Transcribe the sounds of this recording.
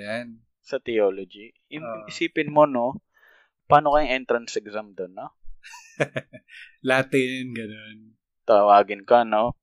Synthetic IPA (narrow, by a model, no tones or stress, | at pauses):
jan | sɐt̪ɛoːlod͡ʒi | jʊŋʊŋʔɪsiːpɪnmono̞ | paːno̞kɐjʊŋʔɛnt̪ɾɐnsɛɡzamd̪onːo | lat̪ɪnɡɐnon | t̪ɐwaːɡɪnkɐno